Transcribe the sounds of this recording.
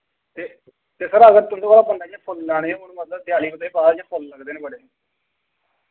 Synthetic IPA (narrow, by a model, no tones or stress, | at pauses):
t̪eː | t̪eːsəɾəɡəɾt̪ʊnd̪okaːlaːbənd̪aːjãːpʰʊllɛːɽ̃ẽːʊnũːmət̪lət̪ɪjaːliːbət̪aːiːbaːd̪jãːpʰʊlːəɡd̪eːnẽːbəɽeː